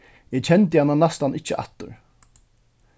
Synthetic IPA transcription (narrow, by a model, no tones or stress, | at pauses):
ɛt͡ɕʰɛnt̪̬əhanːanast̪anɪt͡ʃːəʔa̰t̪ːʊɹ